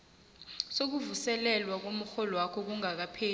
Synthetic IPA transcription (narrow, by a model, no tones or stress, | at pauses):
sok̬uvusɛlɛlwak̬om̩xɔlɔwakʰɔk̬uŋak̬apʰeː